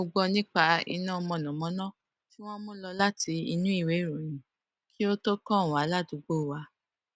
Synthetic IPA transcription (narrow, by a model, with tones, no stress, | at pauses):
o˧ɡ͡bɔ˧nĩ˦k͡pa˧ḭ˧nã˦˧mɔ̃˧˨nɔ̃˨mɔ̃˨˦nɔ̃˦˨ | ti˦w̃ɔ̃˦mũ˦lɔ˧la˦ti˧i˧nũ˦i˦˨we˨˦i˦˨ɾũ˨jĩ˨ | ki˦o˦to˦kɔ̃˦˨wa˨˦la˦˨du˨˦ɡ͡bo˦˨wa˧